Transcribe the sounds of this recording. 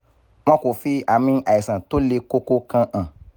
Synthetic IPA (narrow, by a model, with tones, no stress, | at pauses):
w̃ɔ̃˦ko˨fi˧a˨mĩ˧a˨i˨sã˨to˦le˧ko˦ko˦kã˧ʔã˨